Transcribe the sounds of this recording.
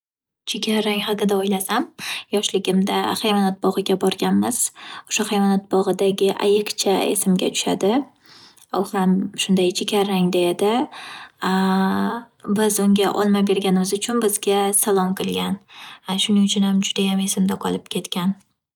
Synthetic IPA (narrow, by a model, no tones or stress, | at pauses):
t͡ʃʰekʲʰaɾːaŋhaqɨd̪aojlasamjɒʃlɪɡʲɪmd̪aχajvɒnat̪̚bɒʁɨɡʲabɒɾɡʲanmɪz̥oʃaχajvɒnat̪̚bɒʁɨd̪aɡʲɪʔa̰jɨqt͡ʃʰae̞̰sɪmɡʲa̰t̪ʰʊ̥ʃad̪ɪ | oχɾamʃʊnd̪ajt͡ʃʰekʲʰaɾːaŋd̪ejad̪ɪ | bɪzʊŋɡʲaʔɒlˠmabe̞ɾɡʲanɪmɪzʊt͡ʃʰʊnbɪzɡʲasalˠɒmqʰɨlˠɡʲanʃʊnɪŋʊt͡ʃʰʊnhamd͡ʒʊd̪ajame̞sɪmd̪aqʰɒlˠɪpkʲʰe̞t̪kʲʰan